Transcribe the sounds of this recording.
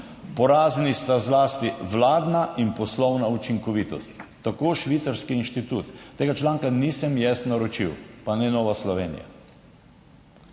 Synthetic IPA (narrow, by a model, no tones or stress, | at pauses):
pɔɾaːznist̪azlaːst̪iʋlaːd̪naʔinpɔslɔwnaut͡ʃiŋkɔʋit̪ɔst̪ːakoːʃʋit̪saɾskiːnʃt̪it̪ut̪ːeːɡat͡ʃlaːŋkanisɛmjɛsnaɾɔt͡ʃiwpanɛnɔːʋaslɔʋeːnḭja̰